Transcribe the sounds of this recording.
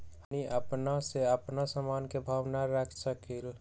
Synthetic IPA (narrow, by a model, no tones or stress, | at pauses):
ɦəniʔəpnaseəpnasəmankebʱaʋnaɾəkʰsəkil